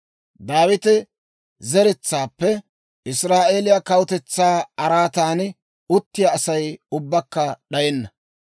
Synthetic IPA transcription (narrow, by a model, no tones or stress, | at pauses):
d̪aːwɪt̪ɪ | zɛɾɛt͡sːaːpːɛ | ʔɪsɾaːʔeːlɪjɐkɐwt̪ɛt͡sːaːɐɾaːt̪aːn | ʊt̪ːɪjaːsɐjʊbːɐkːɐɗɐjɛnːɐ